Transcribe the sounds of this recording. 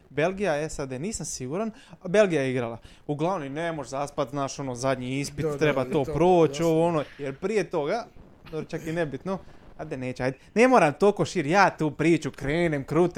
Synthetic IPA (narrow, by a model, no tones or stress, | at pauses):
be̞lˠɡijaesad̪eːniːsamsiɡuɾan | be̞lɡijajeiɡɾalˠa | uɡlˠaʋnonemoʒzaːspat̪znaːʃo̞nozad̪ɲiispit̪t̪ɾebat̪o̞ːppɾoːt͡ʃo̞ʋoonojeɾpɾijet̪o̞ɡa | d̪oɾot͡ʃakinebit̪noajd̪ene̞ːt͡ɕeajd̪enemoːɾamt̪okoʃiːɾjaːt̪uːpɾiːt͡ʃukɾeːnemkɾut̪